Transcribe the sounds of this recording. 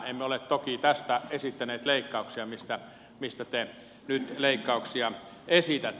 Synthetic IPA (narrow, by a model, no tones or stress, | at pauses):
emːeolet̪t̪okit̪æst̪æesit̪ːæneːt̪leikːɑuksiɑmist̪æ | mist̪æt̪e | nyt̪leikːɑuksiɑ | esit̪æt̪ː